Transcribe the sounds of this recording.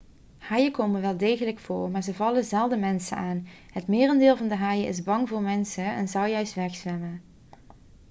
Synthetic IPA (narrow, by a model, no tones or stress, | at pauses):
hɑjəkowmənʋɛlˠdejɣələkfʊːɹmaːɹzəvɑləzɛlˠdəmɛnsə̰naːn | ɦətmɪːrəndɪːlˠvɑndəɦɑjəʔɪ̰zbɑŋvʊːɹmɛnsəɛnzɑlˠjœɥstʋɛxsʋɛmən